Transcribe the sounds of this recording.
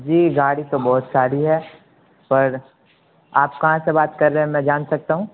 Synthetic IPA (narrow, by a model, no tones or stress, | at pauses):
d͡ʒiːɡaːɽit̪obɔːʊt̪saːɾiɦɛː | pɐɾ | aːpkɐɦãsebaːt̪kɐɾːɛɦɛ̃mɛ̃d͡ʒaːnsɐk̚t̪aɦũː